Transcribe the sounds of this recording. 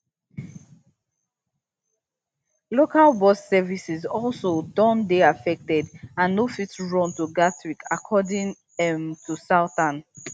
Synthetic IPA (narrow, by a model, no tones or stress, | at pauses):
lokalbɔsːɛvisizɔlsodɔ̃ndeafɛk̚tɛdãnːofitɹɔ̃ntuɡatɹikakʰɔdĩŋ | ɛmtʰusatãn